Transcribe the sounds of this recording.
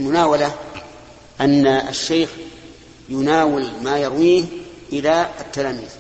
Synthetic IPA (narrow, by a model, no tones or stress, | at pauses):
lmʊnaːwala | ʔanːaa̰ʃːeːx | jʊnaːwɪlmaːjɑɾˤwiːhʔɪlaat̪ːalaːmiːz